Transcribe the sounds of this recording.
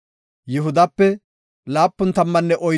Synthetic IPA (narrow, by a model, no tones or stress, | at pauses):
jɪɦʊd̪ɐpːɛ | laːpːʊnt̪ɐmːɐnːɛʔɔj